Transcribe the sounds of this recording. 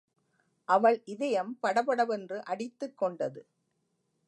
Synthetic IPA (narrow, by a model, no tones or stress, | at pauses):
ʔɐʋɐɭʔɪðɐjɐmpɐɽɐbɐɽɐʋɛndrɯʔɐɽɪt̪ːɯkːɔɳɖɐðɯ